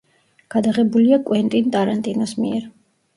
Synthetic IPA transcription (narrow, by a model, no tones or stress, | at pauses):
ɡ̥ad̪aʁɛbuliakʼwɛnt̪ʼint̪ʼaɾant̪ʼinɔsmḭɛɾ